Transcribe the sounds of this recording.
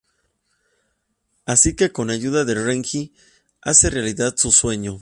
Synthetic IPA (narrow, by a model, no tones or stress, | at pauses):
asike̞ko̞naʝuðaðereŋki | a̰se̞realiðaðsuswe̞ɲo